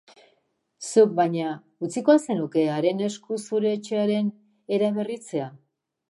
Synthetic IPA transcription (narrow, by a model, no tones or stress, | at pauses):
suk̚baɲa | ut͡siko̞ase̞nuke̞aɾe̞ne̞skusuɾe̞ːt͡ʃe̞aɾe̞n | e̞ɾaβe̞rit͡se̞a